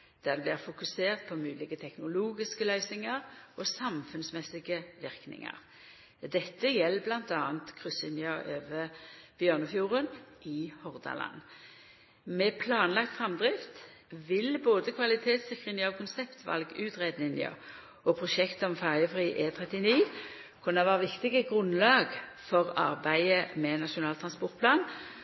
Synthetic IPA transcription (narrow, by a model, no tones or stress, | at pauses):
d̪̥æːʁd̪ɛblɪːʁfʊkʉseːʁt̪̚pʰɔmʉːlɪɡət̪ʰɛknʊluːɡɪskəlœʏsnɪŋəʁɔsɑmfʉnsmɛsːɪɡəʋɪʁknɪ̰ŋə̰ʁ | d̪ɛt̪ːəjɛlːəblɑnt̪ɑːənt̪kʰʁʉsɪnɪɑʔøːʋəb̥jœːʁnəfjuːʁənɪhɔʁd̪ɑ̰lɑ̰n | mɛpʰlɑːnlɑk̚t̪fʁɑmd̪ʁɪft̪ | ʋɪlboːd̪əkʰʋɑlɪt̪ʰeːt̪sɪkːʁɪnɪɔkʰʊnsɛpt̪ʰʋɑ̰lɡʉːt̪ʁeːd̪nɪnə̰ʁ | ɔpʰʁʊʃɛkt̪əɔmfæʁjəfʁiːʔeːt̪ʰʁɛt̪ɪniː | kʰʊnəʋæːʁəʋɪkt̪ɪɡəɡʁʉnlɑːɡfɔʁɑ̰ʁbæɪəmɛnɑʃʊnɑːlt̪ʰʁɑnspɔʁt̪pʰlɑːn